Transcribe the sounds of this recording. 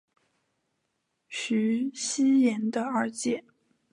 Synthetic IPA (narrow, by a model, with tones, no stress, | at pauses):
ɕy˧˥ɕi˥jɛ˧˥nd̪ə˧ə˞˧˥t͡ɕjɛ˨˩˦n